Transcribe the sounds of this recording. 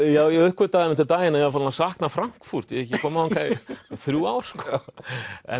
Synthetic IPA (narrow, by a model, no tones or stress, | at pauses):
jaːwjɛʏhkvʏɾt̪aːɣðɪmɛnt̪ɪt̪aːjɪnajɛafaːlnasaːhknafɾaŋ̥kfur̥t̪jɛɛhcːɪkʰɔːmaɔnkʰaθɾjuːaːwɾ̥skɔ | ɛ̰